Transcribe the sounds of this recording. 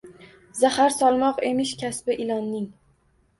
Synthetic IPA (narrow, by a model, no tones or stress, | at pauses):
zahaɾsɒlˠmɒqemɪʃkʲʰasbɪʔɪlˠɒnːɪŋ